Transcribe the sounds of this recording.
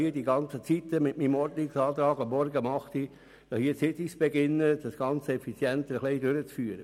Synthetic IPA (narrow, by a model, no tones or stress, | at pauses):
iədiɡɑnt͡sət͡sit̪ːəmɪtmiːmɔɾd̪nɪksɑːt̪ɾɑːɡɑmːɔɾɡəmɑχt̪i | d̥ɑhiət͡ssɪt̪isb̥ɛɡɪnːəd̥ɑsɡ̥ɑnt͡səɛfit͡sjɛnt̪əɾəχleɪdøɾət͡sfyːəɾə